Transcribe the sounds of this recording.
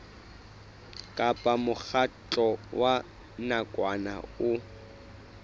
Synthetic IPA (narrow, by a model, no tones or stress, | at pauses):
kʼapʼamʊk͡xʰat͡ɬʼɔwa | nakʼwana̰ʊ